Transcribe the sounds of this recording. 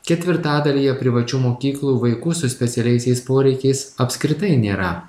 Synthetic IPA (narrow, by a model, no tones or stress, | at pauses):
kʲɛt̪ʲʋʲɪɾt̪ɑːd̪ɐlʲiːjɛpʲɾʲɪʋɐt͡ʃʲuːmoːkʲiːklˠuːʋɐɪkuːsʊsʲpʲɛt̪sʲɛlʲɛɪsʲɛɪspoːɾʲɛɪkʲɛɪsɐpʲsʲkɾʲɪt̪ɐɪnʲeːɾɐ